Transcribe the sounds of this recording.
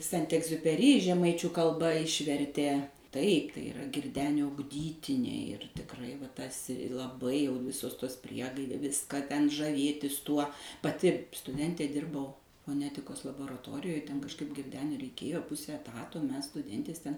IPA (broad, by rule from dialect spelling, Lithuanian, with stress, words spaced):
ˈsʲɛnt ɛɡzʲʊpʲɛˈrʲiː ʒʲɛˈmɐɪt͡ʃʲuː kɐlˠˈbɐ ˈɪʃʲʋʲɛrʲtʲeː tɐɪp tɐɪ ɪˈrɐ ɡʲɪrʲˈdʲæːnʲoː ʊɡˈdʲiːtʲɪnʲɛɪ ɪr tʲɪkˈrɐɪ ʋɐ ˈtɐsʲ ɪ lˠɐˈbɐɪ jɛʊ ˈʋʲɪsoːs ˈtoːs ˈpʲrʲiɛɡɐɪdʲeː ˈʋʲɪskɐ tʲɛn ʒɐˈʋʲeːtʲɪs ˈtuɔ pɐˈtʲɪ stʊˈdʲɛnʲtʲeː ˈdʲɪrbɐʊ foːˈnʲæːtʲɪkoːs lˠɐboːrɐˈtoːrʲɪjoːj ˈtʲɛn kɐʃˈkɐɪp ɡʲɪrʲˈdʲæːnʲʊɪ rʲɛɪˈkʲeːjoː ˈpʊsʲɛ ɛˈtɑːtoː ˈmʲɛs stʊˈdʲɛnʲtʲeːs ˈtʲɛn